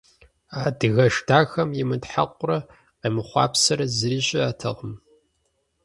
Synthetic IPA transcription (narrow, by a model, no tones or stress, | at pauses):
aːdɨɣɐʂtʰaːxɐmjɪmɨtħa̰qʷʊrɐ | qeːmɨχʷɑ̰ːpsɐɾɐzɨɾiːɕʼɪaːtʰɐ̰ʁəm